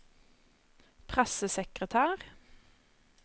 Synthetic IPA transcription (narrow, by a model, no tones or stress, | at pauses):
pʰʁɛsəsɛkʁət̪ʰæːʁ